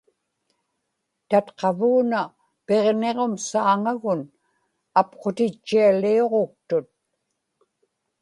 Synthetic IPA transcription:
t̪at̪qɑvuːna | pe̞ʁne̞ʁo̞msaːŋaɣʊn | apqot̪ɪt͡ʃːialio̞ʁo̞k̚t̪ʊt̪̚

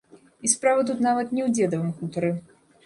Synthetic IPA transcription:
ispɾavɨt̪ut̪navɐt̪nʲɛwd͡zʲɛd̪ɐvɨmkut̪ɐɾɨ

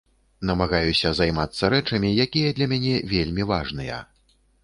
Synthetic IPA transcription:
nɐmaɣajusʲɐzajmat̪sːɐɾɛt͡ʂɐmʲijakʲijɐd̪lʲɐmʲanʲɛvʲelʲmʲivaʐnɨjɐ̰

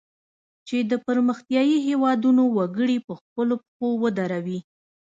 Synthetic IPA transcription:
t͡ʃed̪əpəɾməxt̪jɑjiɦewɑd̪unowaɡəɽipəxpəlopxowəd̪aɾawi

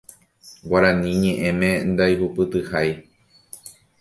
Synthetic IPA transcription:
waɾãnĩɲẽ̞ʔẽ̞mẽ̞nd̪ajɦupɨt̪ɨhaj

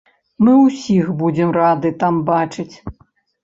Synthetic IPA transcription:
mɨuwsʲixbud͡zʲɛmrad̪ɨt̪ambat͡ʂɨt͡sʲ

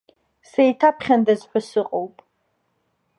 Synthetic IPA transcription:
sejtʰapʰχʲandazħʷasɨqʼowpʼ

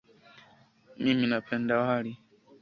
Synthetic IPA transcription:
mĩminapʰɛndawhaɾi

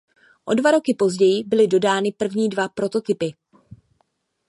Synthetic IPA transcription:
ʔo̞dvaɾo̞kɪpo̞zɟɛjɪbɪlɪdo̞daːnɪpr̩vɲiːdvapɾo̞t̪o̞t̪ɪpɪ

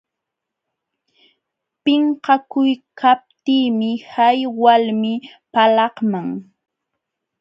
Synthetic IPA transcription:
pɪɴhɑkʊjkʰap̚t̪iːmɪhajwalmɪpalɑhmaŋ

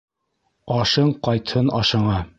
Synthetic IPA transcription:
ɑʃɤɴqɑjt̪hɤnɑʃɤ̆ɴɑ

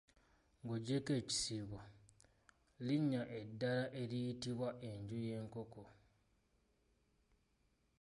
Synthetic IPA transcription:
ŋɡoɟeke̞ːci̥siːβo | liɲːaʔe̞dːalaʔe̞lijitiβwaʔe̞ɲɟuje̞ːŋko̞ko

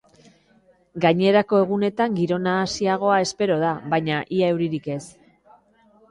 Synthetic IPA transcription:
ɡaɲe̞ɾako̞e̞ɣ̞une̞t̪aŋɡiɾo̞naːsiaɣ̞o̞ae̞spe̞ɾo̞ð̞aβaɲaʔiae̞wɾiɾike̞s

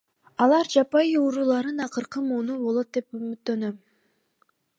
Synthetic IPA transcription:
ɑlˠɑɾd͡ʒɑpɑjiuɾuːlˠɑɾɯnɑqɯɾqɯmuːnubo̞lˠo̞t̪̚d̪epymyt̪ːø̞nøm

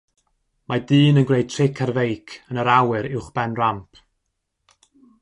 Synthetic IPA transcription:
madɨːnənɡrejd̚tʰrɪkʰarvejkʰənəɾawɨɾɪwχb̥ɛnrampʰ

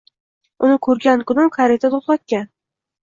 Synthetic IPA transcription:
ʊnɪkʰɵɾɡʲankʰʊnɪmkʰaɾet̪ʰat̪ʰoχlˠat̪̚kʲan

